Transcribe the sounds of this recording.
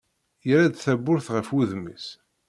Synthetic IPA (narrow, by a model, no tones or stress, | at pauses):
jəɾæd̪θæbːʊɾθʁəfuðmə̰s